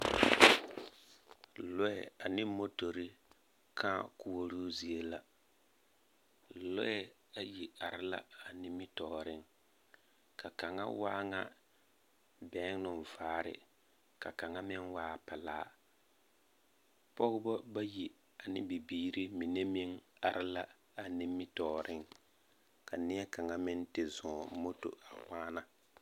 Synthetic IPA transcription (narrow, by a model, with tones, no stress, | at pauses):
lɔ˦ɛ̰˨a˨nɪ˦mo˦to˨ɾi˦ | kʰa˦ku˨wo˦ɾu˦zi˨e˦la˨ | lɔ˦ɛ˨ | a˨ji˨a˨ɾɪ˦la̰˦a˨nɪ˦mɪ˦tɔː˨ɾɪ˦ŋ | ka˨ka˨ŋa̰˦wa̰ː˦ŋa˦ | bɛ˨˦ŋ˦nʊ˨n˨vaː˨˦ɾɪ̰˨ | ka˨ka˨ŋa˦mɪ˦nwaː˦˨pɛ˨laː˦ | pɔ˦ɣʊ˦bɔ˦ba˦ji˨ | a˨nɪ˦bi˨biː˦ɾɪ˦mi˨ne˦mɪ˦ŋa˨ɾɪ˦la˦ | a˨nɪ˦mɪ˦tɔː˨ɾʔɪ˦ŋ | ka˨nɪ˦ɛ˦ka˨ŋa˦mɪ˦ntɪ˨zɔ̃˨mo˦to̰˨a˨waː˦na˦